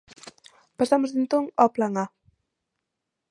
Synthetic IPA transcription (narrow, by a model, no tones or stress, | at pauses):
pasamozðent̪oŋɔplaŋa